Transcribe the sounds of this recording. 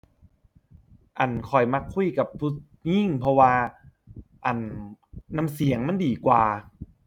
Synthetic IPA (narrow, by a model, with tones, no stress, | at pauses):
ʔa˨˩nkʰɔ˨˩jma˧˥kʰːu˧˥˨jka˨˩pʰːu˧˥t̪̚ | ɲi˧˥˩ŋpʰɔ˧waː˧ | ʔa˨˩nː | a˧˨msi˩˦əŋma˧˥˨ndiː˨˩kwaː˨˩